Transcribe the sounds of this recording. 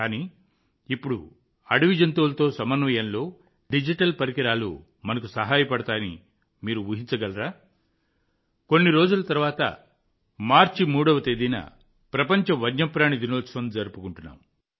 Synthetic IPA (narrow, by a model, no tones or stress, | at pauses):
kaːniː | ipːuɽu | ɐɽiʋid͡ʒɐnt̪uːlɐt̪o̞ːsɐmɐnʋɐjɐnlo̞ː | ɖid͡ʒiʈɐlpɐɾikiɾaːlṵ | mɐnɐk̬usɐɦaːjɐpɐɽɐt̪aːjɐnḭ | miːɾuʋuɦint͡ʃɐɡɐlɐɾaː | ko̞nːiɾo̞ːd͡ʒulɐt̪ɐɾuʋaːt̪ɐ̰ | maːɾt͡ʃimuːɽɐʋɐt̪ed̪inɐ̰ | pɾɐpɐɲt͡ʃɐʋɐɡɲɐpɾaːnid̪inoːsʋɐnd͡ʒɐɾpukuɳʈunːa̰ːmu